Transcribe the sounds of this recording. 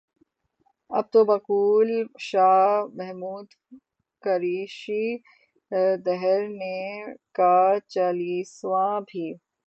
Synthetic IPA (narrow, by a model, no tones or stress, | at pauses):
ɐ̰b̚t̪obɐkuːlʃaːɦmɛɦmuːd̪ | kɐɾiːʃi | d̪ɛɦɛɾnekat͡ʃaːliːsʋãbʱiː